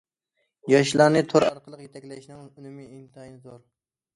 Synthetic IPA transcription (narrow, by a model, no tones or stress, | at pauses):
jɑʃ̬lˠɑɾnɨt̪ʰoɾɑ̰ɾqəlˠəqjet̪ʰɛkʲlɛʃnɪŋunɪmɪimt̪ʰɑːjnɨzoɾ